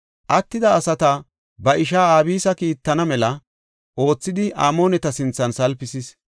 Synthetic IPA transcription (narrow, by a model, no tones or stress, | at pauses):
ʔɐt̪ːɪd̪ɐːsɐt̪ɐ | bɐʔɪʃaːaːbiːsɐkiːt̪ːɐnɐmɛlɐ | ʔo̞ːt͡sːɪd̪ɪʔa̰ːmo̞ːnɛt̪ɐsɪnt͡sːɐnsɐlpɪsɪs